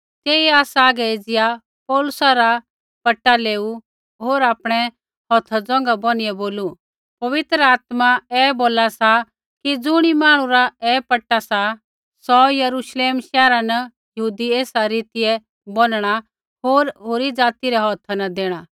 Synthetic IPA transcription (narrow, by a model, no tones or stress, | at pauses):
t̪eːiaːsaːɡɛeːd͡zɪja | pɔːlʊsaɾa | pɐʈːaleːu | ɦoːɾaːpɽ̃ɛ | ɦɔːt̪ʰad͡zɔ̃ːŋ̆ɡabɔñɪjɛboːlu | pɐʋɪt̪ɾəaːt̪maɛːboːlasa | kid͡zʊɽ̃imaːɽ̃ũɾaɛːpɐʈːasa | sɔjɐɾuʃleːmʃɛːɾanɐ | jɐɦuːd̪ieːsaɾiːt̪ɪjɛ | bɔnɽ̃a | ɦoːɾɦoːɾid͡zaːt̪iɾɛɦɔːt̪ʰanɐd̪eːɽ̃aː